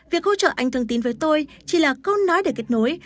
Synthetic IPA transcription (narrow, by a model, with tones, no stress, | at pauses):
vi˨˩ək̚ho˧t͡ɕə̰ː˧˨ʔa˧jŋ̟t̪ɨ˨˧əŋt̪i˨˦nvəː˨˦jt̪o˧j | t͡ɕi˧˩laː˨˩kə˧wnːɔ˨˦jɗəː˧˩ke˦˥t̚no˨˦j